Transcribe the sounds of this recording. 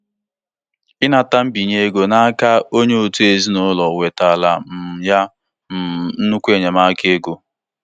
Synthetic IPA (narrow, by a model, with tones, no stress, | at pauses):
ɪ˦na˨ta˦m̩˦bi˨ɲe˦ɡo˨na˦a˦ka˦o˦ɲe˦o˨tu˦e˨zi˦nʊ˦lɔ˨we˨ta˨la˨m̩˨ja˦˨ | n̩˦nu˦kʷu˦e˦˨ɲa˨ma˦ke˦e˦ɡo˨